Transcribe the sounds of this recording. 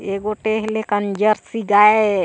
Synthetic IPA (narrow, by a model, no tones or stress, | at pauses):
eɡoʈeɦlekənd͡ʒəɾsiɡae